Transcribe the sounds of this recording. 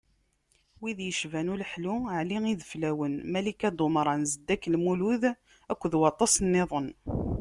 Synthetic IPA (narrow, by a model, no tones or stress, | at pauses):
wiðjəʃvænulħluʕliŋiðəflæwənmælikæd̪ˤomɾˤɑnzəd̪ːækːlmuluð | ækʷːðwɑt̪ˤːɑsnːeðˤən